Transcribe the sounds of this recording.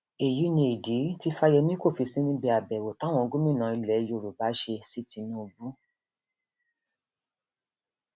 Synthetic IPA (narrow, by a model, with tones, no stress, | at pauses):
e˨ji˨˦nĩ˧i˨di˨˦ti˧˦fa˧jɛ˧mĩ˦ko˦˨fi˧sĩ˦nĩ˦bi˧a˨bɛ˨wo˨tã˨˦w̃ɔ̃˧ɡu˦mĩ˦nã˧i˧lɛ˨˦jo˧˨ɾu˨ba˨˦ʃe˧si˦ti˧nũ˦˧bu˦